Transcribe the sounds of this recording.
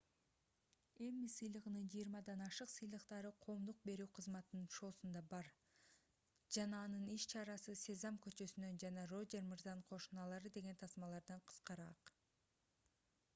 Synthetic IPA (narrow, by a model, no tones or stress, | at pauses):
e̞mːisɯjlˠɯʁɯnɯnd͡ʒijɾmɑd̪ɑnɑʃɯqsɯjlˠɯqt̪ɑɾɯqʰo̞ːmd̪uq̚be̞ɾyːqʰɯzmɑt̪ɯnɯnʃo̞ːsund̪ɑbɑɾ | d͡ʒɑnɑːnɯniʃt͡ʃʰɑɾɑsɯse̞zɑmkø̞t͡ʃø̞synø̞nd͡ʒɑnɑro̞d͡ʒeɾmɯɾzɑɴqʰo̞ʃunɑlˠɑɾɯd̪e̞ɡe̞nt̪ʰɑsmɑlˠɑɾd̪ɑɴqʰɯ̥sqɑɾɑq